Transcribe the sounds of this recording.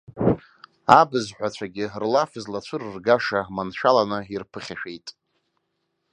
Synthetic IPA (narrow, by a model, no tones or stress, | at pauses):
abɨzħʷᶣat͡ɕʷʰaɡʲɪrlafɨzlat͡ɕʷʰɨrrɡaʂamanʃʷᶣalanɨirpʰɨχʲaʃᶣejtʼ